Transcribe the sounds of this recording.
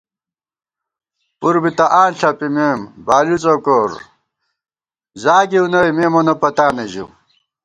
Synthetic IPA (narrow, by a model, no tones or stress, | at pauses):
puɾbit̪ɐʔaːnɬɐpimeːmbaːlut͡sokoːɾ | zaːɡiunɐjmeːmonopɐt̪aːneʑṵ